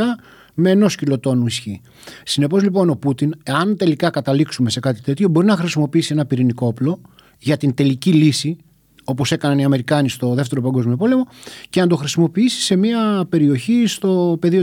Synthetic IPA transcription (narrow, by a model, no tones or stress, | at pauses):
ɐ | me̞ːno̞scilo̞t̪o̞nuisçi | sine̞po̞zlipo̞no̞put̪ineɐnt̪e̞likɐkɐt̪ɐliksume̞se̞kɐt̪i̥t̪e̞t̪ço̞bo̞ɾinɐxɾisimo̞piisie̞nɐpiɾiniko̞plo̞ | ʝɐt̪int̪e̞licilisi | o̞po̞se̞kɐnɐniɐme̞ɾikɐnist̪o̞ðe̞ft̪e̞ɾo̞pɐŋɡo̞zmio̞po̞le̞mo̞ce̞nɐd̪o̞xɾisimo̞piisi̥se̞miɐpe̞ɾio̞çist̪o̞pe̞ðio̞